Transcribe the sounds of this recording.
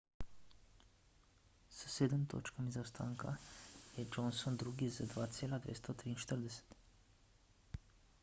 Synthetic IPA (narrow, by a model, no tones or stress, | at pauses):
sə̥seːd̪əmt̪ʰo̰ːt͡ʃkamizawst̪ʰaːŋkʰajɛd͡ʒɔnsond̪ɾuːɡizad̪ʋaːt̪sʲeːlad̪ʋḛːst̪ot̪ɾiːnʃt̪əɾd̪ɛsɛ̥t̪